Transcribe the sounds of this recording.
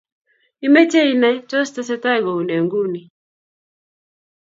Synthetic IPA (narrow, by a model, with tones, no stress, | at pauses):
i˦mɛ˦t͡ʃe˦i˦na˦t͡ʃɔ˦st̪ɔ˦sɛ˦ta˦˨ɡo˨u˨ne˨ŋɡu˦ni˨